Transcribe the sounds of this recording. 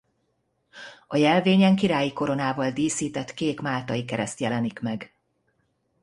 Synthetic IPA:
ɒjɛlveːɲɛŋkiɾaːjiko̞ɾo̞naːvɒld̪iːsiːt̪ɛt̪keːkmaːlt̪ɒjikɛɾɛst̪jɛlɛnikmɛɡ

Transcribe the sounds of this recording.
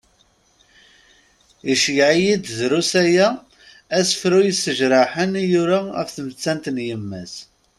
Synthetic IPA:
iʃjʕijid̪zɾusæjæ | æsəfɾujisːəʒɾˤɑħənjuɾaə̰fθmət͡sːænt̪njəmːæs

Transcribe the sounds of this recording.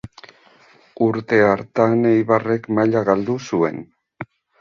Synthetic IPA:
uɾt̪e̞aɾt̪anejβare̞kmaʎaɣald̪usue̞̰n

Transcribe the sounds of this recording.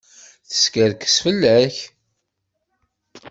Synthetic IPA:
θə̥skəɾkə̥sfəlːæç

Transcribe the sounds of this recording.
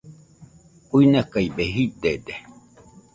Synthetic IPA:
uinakaibeɦid̪ed̪e

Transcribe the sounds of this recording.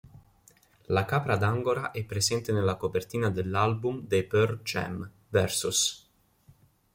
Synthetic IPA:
lakaːpɾad̪aŋɡoɾaʔɛpːɾesɛnt̪enelakopert̪iːnad̪elːalbumd̪epørd͡ʒɛ̰m | vɛrsus

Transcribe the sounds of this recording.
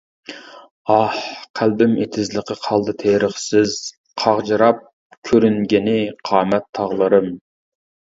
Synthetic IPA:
ɑhqʰælbɪmet̪ʰɪzlˠəqəqʰɑlˠd̪ɨt̪ʰeɾəχsɪz | qʰɑʁd͡ʒɨɾɑp̚ | kʲʰøɾyŋɡʲɪnɪqʰɑːmɛt̪ʰːɑʁlˠɨɾɨm

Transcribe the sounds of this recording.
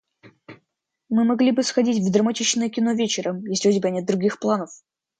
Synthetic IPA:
mɨmɐɡlʲibɨsxɐdʲitʲvd̪ɾəmɐtʲit͡ɕnəjəkʲɪno̞vʲet͡ɕɪɾəmjesʲlʲɪozʲɪbʲanʲɛt̪̚d̪ɾʊɡʲixplˠanəf

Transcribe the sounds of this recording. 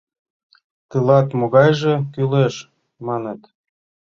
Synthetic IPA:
t̪ɯlɑt̪moɣɑjʒĕkyleʃ | mɑnĕt̪

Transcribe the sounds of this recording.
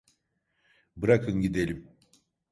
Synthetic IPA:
bɯɾakʰɯnɟid̪e̞lʲim

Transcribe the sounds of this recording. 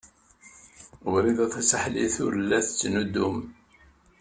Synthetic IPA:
ʊɾiðæθæsəħliθʊ̰ɾlːæθət͡sːnud̪ːum

